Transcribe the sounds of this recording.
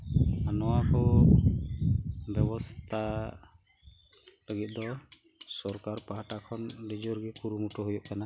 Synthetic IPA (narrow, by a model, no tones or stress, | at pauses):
anɔwakʰɔ | bjɛbɔst̪ʰa | ləɡit̪̚d̪ɔ | sɔɾkaɾpaɦaʈakʰɔnɖid͡ʒɔɾɡɛkuɾumuʈɔɦujɔʔkana